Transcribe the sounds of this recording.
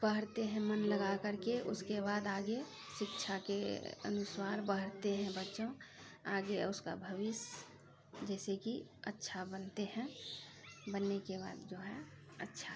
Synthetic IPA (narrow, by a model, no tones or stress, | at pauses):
b̥əɦəɾt̪eɦɛ̃mənləɡakəɾkeʔʊskebaːd̪aːɡe | ʃɪkt͡ʃʰakeə̰nʊsaːɾbəɦəɾt̪eɦɛ̃bətːʃõ | aːɡeʊska̰bʱəʋɪs | d͡ʒɛːsekiətːʃʰabənt̪eɦɛ̃ | bənːekeba̰ːd̪d͡ʒoːɦɛ | ətːʃʰa